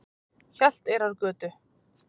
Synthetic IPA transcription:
çal̥t̪ɛɾaɾkœːt̪ʏ

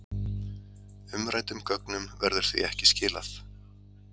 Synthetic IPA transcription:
ʏmɾajt̪ʏmkœknʏmvɛɾðʏɾ̥θvḭɛhcɪscɪːla̰θ

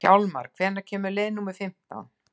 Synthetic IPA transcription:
a̰wlma̰ɾ̥kkʰvɛːnaɾcʰɛːmʏɾleːjnumɪðfɪm̥t̪a̰wn

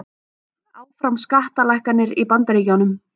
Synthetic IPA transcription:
aːwfɾawmskaht̪alajhkanːɪɾipant̪aɾiːcawnʏm

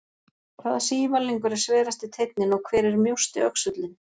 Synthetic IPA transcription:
kʰvaːðsiːvaliŋkʏɾɛɾ̥svɛːɾast̪ɪt̪ʰejt̪̚nɪnɔɣkʰvɛːɾɪɾmjowst̪ɪœksʏt̪lɪn

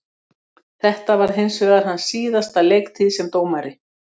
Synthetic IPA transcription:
θɛht̪avaɾ̥ɦɪnsvɛːɣðaɾ̥ɦanːsiːðast̪alejkt̪ʰɪðsɛmt̪oːwmaɾɪ

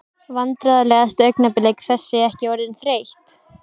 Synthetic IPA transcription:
vant̪ɾaðalɛːɣast̪œɥjknapɪlejkθɛsːɪɛhcɪɔɾðɪnθɾeːjht̪

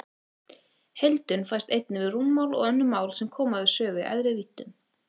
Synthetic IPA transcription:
hejlt̪ʏnfajst̪ejt̪̚nɪvɪðrunmawlɔ̰ɣœnːʏmːaːwlsɛmkʰɔːmaðɪsœːɣʏʔa̰jðɾɪviːt̪ːʏn

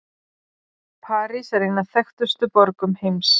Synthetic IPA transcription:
pʰaːɾisɛɾejnːaðθɛxt̪ʏst̪ʏpɔɾkʏmhejms

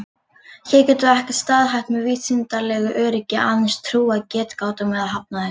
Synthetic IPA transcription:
çɛːcɛːt̪ʏɛhcɪ̥st̪aːðɦajht̪mɛviːsɪnt̪alɛɣʏʔœːɾɪcɪʔaðɪnst̪ʰɾuːaðcɛːt̪kaːwt̪amɛðaðɦap̚naðɪ

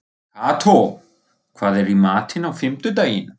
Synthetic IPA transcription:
kʰaːt̪ʰo | kʰv̥aːðɛɾimaːt̪ʰɪnawfɪmt̪ʏt̪̬aːjɪn

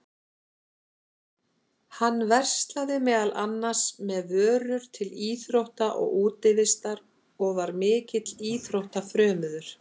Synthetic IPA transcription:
hanːvɛr̥st̪laðɪmɛːðalʔanːḁsmɛðvœːɾʏɾ̥t̪ʰɪliːθɾowht̪aʔɔ̰ɣuːt̪ɪvɪst̪aɾ | ɔɣvaɾmɪːcɪt̪liːθɾowht̪afɾœːmʏðʏɾ̥

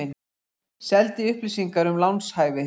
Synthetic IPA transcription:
ɪn | sɛlt̪iʏhplisiŋkaɾʏmlawnshaːjvɪ

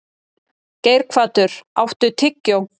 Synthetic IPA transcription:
ceːjɾkʰv̥aːt̪ʏɾ̥a̰wht̪ʏt̪ʰɪcːɪɔ

